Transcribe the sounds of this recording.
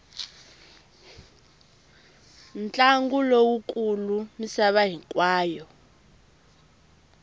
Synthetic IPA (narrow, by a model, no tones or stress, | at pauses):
nt͡ɬʼaŋɡulowukʼulumisaβaɦikwaːjɔ